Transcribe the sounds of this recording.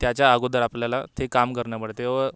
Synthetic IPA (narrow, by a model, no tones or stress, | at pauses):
t̪jat͡ɕjaːɡod̪əɾapljalat̪ʰekamkəɾɳjapəɽt̪eʋə